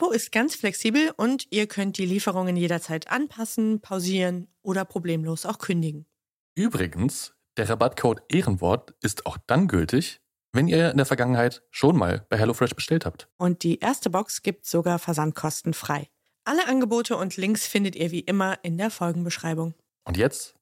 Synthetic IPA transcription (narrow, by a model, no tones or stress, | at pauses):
ʔapoɪst̚ɡ̥ant͡sflɛksiːbl̩ʔʊntʔiːɐkʰœnt̚d̥iːliːfəʁ̞ʊŋənjeːɾɐt͡saɪtʰʔa̰npʰasn̩pʰaʊziːʁənʔoːɾɐpʁ̥obleːmloːsaʊxkʰʏndɪɡŋ̩ | ʔyːbʁɪɡən̩s | d̥eːɐʁabatkʰoːtʔeːʁənvɔ̰ɐtɪstʰaʊxd̥anɡʏ̰ltɪç | vɛniːɐɪndeːɐfɛɐɡaŋənɦaɪtʃoːnma̰ːlb̥aɪɦɛlofʁɛʃb̥əʃtɛlthaːp̚tʔʊnt̚d̥iːʔeːɐstəbɔksɡ̥iːp̚tz̥oɡaːɐfɛɐzant̚kʰɔstn̩fʁ̥aɪ | ʔaləʔanɡəboːtʰəʊntʰlɪŋksfɪndətiːɐviːʔɪmɐʔɪndeːɐfɔlɡŋ̩bəʃʁ̥aɪbʊŋ | ʔʊntjɛt͡st